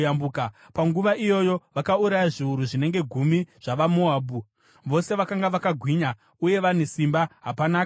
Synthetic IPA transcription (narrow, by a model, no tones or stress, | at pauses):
ambuːka | paŋɡuʋaʔijo̞jo̞ʋakauɾajaʐiuɾuʐine̞ŋɡe̞ɡʱumiʐ̥aʋamoaːbu | ʋo̞se̞ʋakaŋɡaʋakaɡʱwiɲa | uje̞ʋanesimbaɦapanaːk